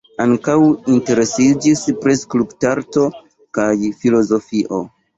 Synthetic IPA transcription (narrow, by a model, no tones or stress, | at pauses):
aŋkawinte̞ɾe̞sid͡ʒispɾesklubtaɾto̞ | kajfilo̞zo̞fiʔo̞